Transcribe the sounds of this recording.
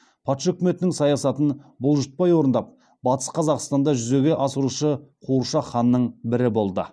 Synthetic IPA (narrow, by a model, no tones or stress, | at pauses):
pʰɑt̪ʃɵkʲɪme̞t̪ɪnɪŋsɑjɑsɑt̪ənbʊlˠʒət̪̚pɑjwo̞ɾənd̪ɑp̚ | bɑt̪ə̥sqʰɑzɑqst̪ɑnd̪ɑʒʏze̞ɡʲe̞ʔɑsəɾuʃəqʰuuʃɑχɑnːəɴbɪɾɪbo̞lˠd̪ə̰